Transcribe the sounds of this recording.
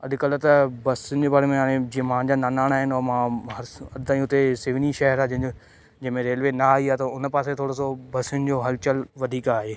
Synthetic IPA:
ɐɗ̪ɪkɐlət̪ɐbɐsʊnɪ̆d͡ʑeːbaːɽemẽɦaːɽ̃ẽd͡ʑiːə̃mãːd͡ʑaːnaːnaːɽ̃aːɦɪnɔːmãɦɐɾɐɗ̪t̪aːĩʊt̪esɪʋniʃɐɦəɾaːd͡ʑɐ̃ɦɪ̃o | d͡ʑɐ̃ɦmẽɾeːlʋenaaːɦiaːt̪ɐʊnpaːset̪ʰoːɽosobɐsɪʊnɪ̆d͡ʑoːɦɐlt͡ɕəlʋɐd̪ʱiːkaːɦeː

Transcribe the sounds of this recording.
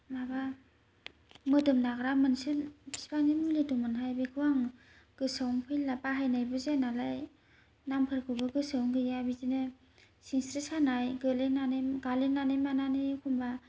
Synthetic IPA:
maba | mɯdɯmnaɡɾamɯnsɯbi̥spaninuledumɯnɦajbekʰɯwaŋ | ɡ̥ɯsawŋpʰɯjlapaɦajnajbɯzenalaj | nampʰɯɾkʰɯbɯɡɯsɯwŋɡɯjabizinɯ | siŋsɾisanajɡɯlenanɯjɡalenanɯjmananɯkʰumba

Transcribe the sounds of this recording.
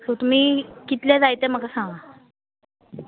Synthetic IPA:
ot̪um̤iːkit̪ljad͡zajt̪ɛm̤əɡasaŋɡʋa

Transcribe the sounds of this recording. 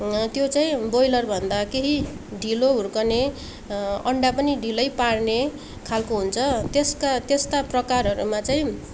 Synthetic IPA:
t̪jot͡saĩbojlʌrbʱʌnd̪akeɦi | ɖʱiloɦurkʌne | ʌ̰ɳɖapʌniɖʱilʌjpaɽne | kʰalkoɦunt͡sʰʌt̪eskat̪est̪aprʌkarɦʌɾumat͡saĩ

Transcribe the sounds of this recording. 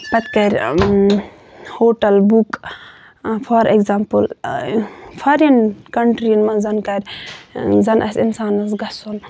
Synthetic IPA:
pɐt̪ʲkɐɾʲ | hoːʈɐlbuk | pʰɔɾekzaːmpɨl | fʰɐɾɐnkɐɳʈɾinmɐnzɐnkɐɾʲ | zɐnʔɐsʲinsaːnɐsɡɐson

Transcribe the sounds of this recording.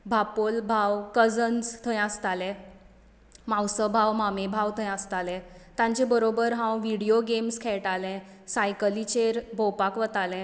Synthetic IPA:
bʱapolbʱawkəd͡zənd͡zt̪ʰə̃jast̪alɛ̃ | mãwsəbʱawmamẽbʱawt̪ʰə̃jəst̪alɛ̃t̪ãɲt͡ɕɛ̃bəɾobəɾɦãwʋiɽioɡemskʰɛɭʈalɛ̃ | sajkəlit͡ɕeɾbʱowpakʋət̪alɛ̃

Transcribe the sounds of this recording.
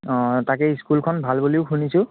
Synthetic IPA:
takɛiskulkʰɔnbʱalbuliʊkʰunisʊ̃

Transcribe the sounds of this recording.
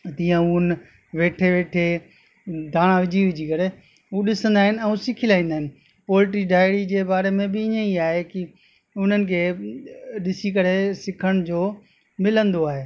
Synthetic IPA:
t̪ijãun | ʋeːʈʰeʋeːʈʰe | d̪ʱaːɽ̃aʋɪd͡ʑʱiʋɪd͡ʑikɐɾe | ɦuɗɪsə̃nd̪aːɦɪnɛ̃ũsɪkʰilaːĩːnd̪aːɦɪnɪ̆ | poːlɪʈ̬iɖaːɪɽid͡ʑeːbaːɾemẽbɪɪɲə̃iaːɦeki | ʊn̤ənɪ̆kʰeː | ɗɪsik̬ɐɾesɪkʰəɽ̃d͡ʑoː | mɪlə̃nd̪oaːɦeː

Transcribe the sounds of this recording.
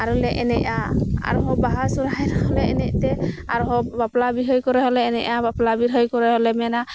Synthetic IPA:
aɾulɛʔɛnɛʔaa̰ɾuɦɔbaɦasuɾajɾɔɦɔlɛɛnɛʔt̪ɛaɾuɦɔbaplabiɦɔjkɔɾɛɦɔlɛːnɛʔabaplabiɾɦɔjkɔɾɛɦɔlɛmɛna

